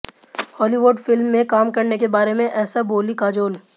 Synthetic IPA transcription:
hɔːliʋʊɖfɪlmːẽkaːmkɐɾnekebaːɾemẽʔɛːsaboːlikaːd͡ʒoːl

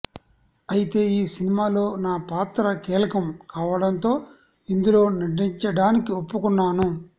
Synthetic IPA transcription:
ɐjit̪e̞ːiːsinimaːlo̞ːnaːpaːt̪ɾɐkɛːlɐkɐmkaːʋɐɽɐnt̪o̞ː | ind̪ulo̞ːnɐɖiɲt͡ʃɐɽaːnikiopːukunːaːnu

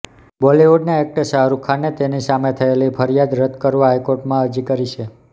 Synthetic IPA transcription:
bɔlioɖnaek̚ʈəsəɦaɾukʰanet̪enisamet̪ʰəelipʰəɾjad̪ɾəd̪kəɾʋaɦajkoɾʈmãəɾd͡ʒikəɾit͡ʃʰe

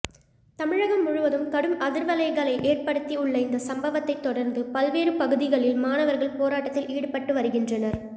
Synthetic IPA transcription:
t̪ɐmɪɻɐɣɐmːʊɻʊʋɐðɯmkɐɽɯmɐðɪɾʋɐlɐɪɣɐɭɐɪʔeːrpɐɽɯt̪ːiʊɭːɐɪnd̪ɐsɐmbɐʋɐt̪ːɐɪt̪ːɔɽɐɾnd̪ɯpɐlʋeːɾɯpɐɣɯðɪɣɐɭɪlmaːnɐʋɐɾɣɐɭpoːɾaːʈːɐt̪ːɪliːɽɯpɐʈːɯʋɐɾɯɣɪndrɐnɐɾ

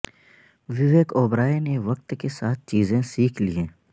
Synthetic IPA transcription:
ʋɪʋeːkoːbɾaːeneʋɐk̚t̪kesaːt̪̚ʰt͡ʃiːzẽsiːkʰliẽː

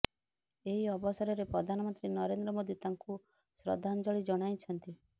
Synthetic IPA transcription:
eɦiɔbɔsɔɾɔɾepɾɔd̪ʱanɔmɔnt̪ɾinɔɾend̪ɾɔmod̪it̪aŋku | sɾɔ̰d̪ʱand͡ʒɔɭid͡ʒɔɽ̃ajt͡ʃʰɔnt̪i

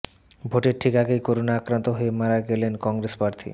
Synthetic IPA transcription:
bʱoʈeɾʈʰikaɡejkoɾonaakɾant̪oɦoemaɾaɡelenkɔŋɾespaɾt̪ʰḭ

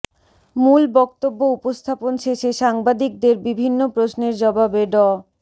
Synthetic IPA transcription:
mulbɔk̚t̪obːoupost̪ʰaponʃeʃeʃaŋbad̪ik̚d̪eɾbibʱinːopɾosneɾd͡ʑɔbʱabeɖɔ

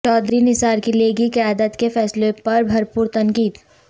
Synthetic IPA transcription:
t͡ʃɔːd̪ɾinɪsaːɾkileɡikɐjaːd̪ət̪kefɛːslẽpɐɾbʱɐɾpuːɾt̪ɐŋkiːt̪

